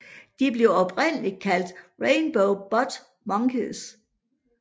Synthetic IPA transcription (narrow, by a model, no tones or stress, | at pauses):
d̥ib̥le̝ʊɒ̽b̥ʁen̰əlid̥̚kʰæl̰d̥ʁeɪnb̥oʊb̥ɒd̥ | mɑŋɡ̥əs